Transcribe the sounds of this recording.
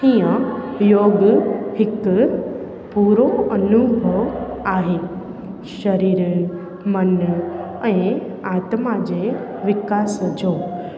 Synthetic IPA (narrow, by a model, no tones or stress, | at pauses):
hijə̃joːɡhɪk | puːɾoɐnubʱəʋaːɦeː | ʃɐɾiːɾ | mɐn | ɛ̃ː | aːt̪mad͡ʑeːʋɪkaːsd͡ʑoː